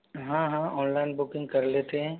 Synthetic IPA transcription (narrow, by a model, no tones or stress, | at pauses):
ɦãɦãɔ̃ːnlaːɪnbʊkɪ̃ŋɡ̚kɐɾleːt̪eɦɛ̃ː